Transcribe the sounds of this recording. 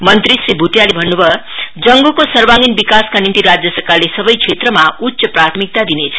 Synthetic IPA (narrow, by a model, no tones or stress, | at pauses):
mʌnt̪ɾisribʱuʈjalebʱʌnːubʱʌd͡zʌŋɡokosʌrbaŋinbikaskanimt̪iɾad͡zjʌsʌrkarlesʌbʌjkʰet̪rʌmautːsʌprat̪ʰmik̚t̪ad̪inet͡sʰʌ̥